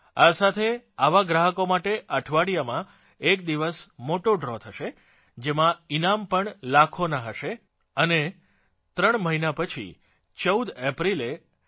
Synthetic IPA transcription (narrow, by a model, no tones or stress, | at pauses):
asat̪ʰeaʋaɡɾaɦəkomaʈeʔəʈʰʋaɽijamã | ekd̪iʋəsmoʈoɖɾɔt̪ʰəʃe | d͡ʒemãinampəɳlakʰonaɦəʃe | əne | t̪ɾəɳ̃məɦinapət͡ʃʰḭ | t͡ʃəwd̪epɾile